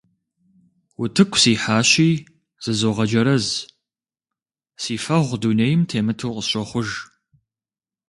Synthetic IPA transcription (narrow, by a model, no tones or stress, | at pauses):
wʊtʰɨkʷʰsiːħaːɕiː | z̥ɨzoːʁɐd͡ʒɐɾɐz | siːfɐʁʷduneːjɪmtʰeːmɨtʰɨwqʼəɕɔχʷʊʒ